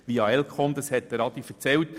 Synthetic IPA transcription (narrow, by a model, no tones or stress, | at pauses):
ʋiɑɛlkχɔnd̪əshɛt̪̚dəɾɑd̪ifəɾt͡sɛlt